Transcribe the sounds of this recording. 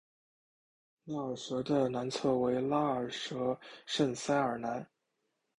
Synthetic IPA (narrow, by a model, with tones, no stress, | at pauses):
la˥˩ə˨˩ʂɤ˧˥d̪ə˧na˧˥nt͡sʰɤ˥˩we˧˥ɪla˥ə˨˩ʂɤ˧˥ʂə˥˩ŋsa˥ɪə˞˨˩na˧˥n